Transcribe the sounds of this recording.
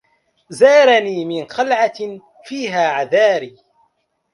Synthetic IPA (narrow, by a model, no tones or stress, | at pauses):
zaːɾaniːmɪnxalʕa | fiːɦaːʕaðaːɾiː